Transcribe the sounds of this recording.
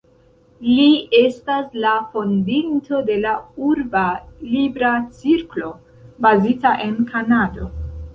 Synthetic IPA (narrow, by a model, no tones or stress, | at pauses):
lie̞staslafo̞ndinto̞de̞lauɾbalibɾat͡siɾklo̞ | bazitaʔe̞nkʰanado̞